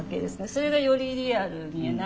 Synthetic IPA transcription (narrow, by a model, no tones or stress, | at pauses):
ke̞d̪e̞sɨne̞so̞ɾe̞ɡajo̞ɾʲiɾʲiaɾɯ̟ɲina